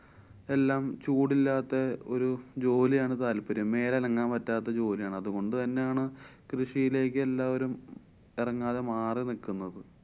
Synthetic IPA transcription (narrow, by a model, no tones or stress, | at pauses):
e̞lːaːmt͡ɕuːɽilːaːt̪ːɐoɾud͡ʑo̞ːlijaːɳɨt̪aːlpɐɾɐmːe̞ːlɐlɐŋːaːnpɐtːaːt̪ːɐd͡ʑo̞ːlijaːɳɐðuɣo̞ɳɖɨt̪ɐnːejaːɳɨkrɨʂijile̞ːk̬ːɨelːaːoɾum | irɐŋːaːðemaːrinikːunːɐðɨ